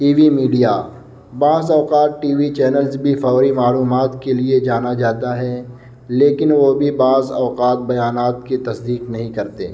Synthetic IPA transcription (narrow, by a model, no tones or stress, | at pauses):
ʈiːʋimiːɖija | baːzɔːqaːt̪̚ʈiːʋit͡ʃɛːnəlzbʱifɔːɾimaːluːmaːt̪kelied͡ʒaːnad͡ʒaːt̪aɦɛ | leːkɪnʋobʱibaːzɔːqaːt̪̚bɐjaːnaːt̪̚ket̪ɐsd̪iːqnɐɦĩkɐɾt̪ḛː